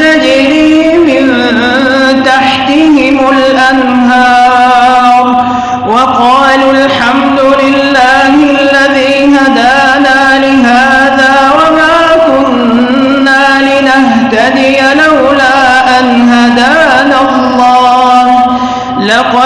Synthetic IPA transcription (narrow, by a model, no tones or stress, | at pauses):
ad͡ʒɪliː | mɪn | t̪aħt̪ɪhɪmʊlʔan | ɦɑːɾˤ | wɑqɑːlalħamd̪ʊlɪlːaːhɪlːaðiːɦad̪aː | naːlɪɦaː | ðaːwamaː | kʊnː | aːlɪnaɦt̪ad̪ɪjalawlaːʔanɦad̪aːna | lˤːɑːh | lɑqɑ